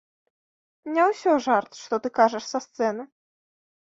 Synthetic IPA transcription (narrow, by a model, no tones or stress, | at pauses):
nʲɛwsʲɔʐart̪ʂt̪ɔt̪ɨkaʐɐʂsɐst̪sɛnɨ